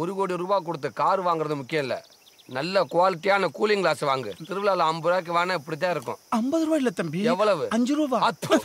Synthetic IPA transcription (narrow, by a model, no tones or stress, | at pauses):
ɔɾɯɣoːɽiɾuːbaːk̬ːɔɽɯt̪̬ːɯkaːɾɯʋaːŋɡɪɾɐðɯmʊkːɪjɐ̃mɪlːɐ̰ | nɐlːɐkʊʋaːlɪʈːɪjaːnɐkuːlɪŋklaːsʋaːŋɡɯt̪ɪɾɯʋɪlaːlɐ̃ɐmbɯɾaːk̬ːɯʋaːnɐɪpːɐɽɪt̪ːaːɪɾɯkːʊ̰̃ɐmbɐðɯɾubaːɪlːɐt̪ːɐmbiɛʋːɐɭɐʋɯɐɲd͡ʒɯɾuːbaːɐt̪ːɐ̃